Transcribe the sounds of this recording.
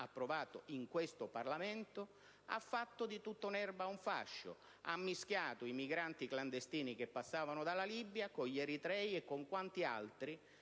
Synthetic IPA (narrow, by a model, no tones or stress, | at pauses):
apːɾʊvaːt̪ʊ̰iŋkwɪst̪ʊparlamɛnt̪ʊ | a̰fːat̪ːʊd̪it̪ut̪ːʊunɛrbauɱfa̰ʃːʊ̰ | a̰mːiskjaːt̪ʊimiɡɾant̪ikland̪est̪iːnik̟epːasːaːvanʊd̪alalibːjakʊʎɛɾit̪ɾɛjɛkːʊŋkwant̪ia̰lt̪ɾi